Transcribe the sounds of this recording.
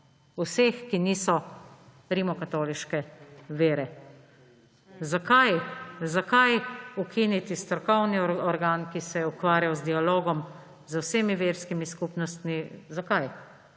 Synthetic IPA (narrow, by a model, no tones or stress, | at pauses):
usexkiniːsɔ | ɾimɔkat̪oːliʃkɛʋeːɾɛ | zakajzakajukʰinit̪ist̪ɾɔkɔwniɔɾɡaːnkisɛjɛukʋaːɾjawzd̪ialoːɡɔm | zəwseːmiʋeːɾskimiskuːpnɔst̪mizakaj